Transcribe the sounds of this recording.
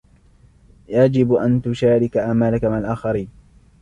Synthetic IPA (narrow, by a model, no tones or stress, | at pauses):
jad͡ʒɪbʔant̪ʊʃaːɾɪkaʔamaːlakamɪnalʔaːxɑɾiːn